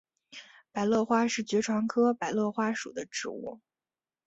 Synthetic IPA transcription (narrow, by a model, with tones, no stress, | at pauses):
pa˨˩ɪlɤ˥˩xwa˥ʂɻ̩˥˩t͡ɕɥɛ˧˥ʈ͡ʂʰwa˧˥ŋkʰɤ˥pa˨˩ɪlɤ˥˩xwa˥ʂṵ˨˩d̪ə˦ʈ͡ʂɻ̩˥˧ṵ˥˩